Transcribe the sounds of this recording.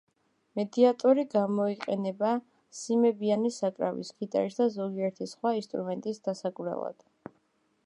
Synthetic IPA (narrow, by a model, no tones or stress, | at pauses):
mɛd̪iat̪ʼɔɾiɡamɔiqʼɛnɛba | simɛbianisakʼɾavḭskʰit̪ʼa̰ɾisd̪azɔɡiɛɾt̪ʰisχwainst̪ʼɾṵmɛnt̪ʼisd̪̥asakʼvɾɛ̰lˠa̰d̪̥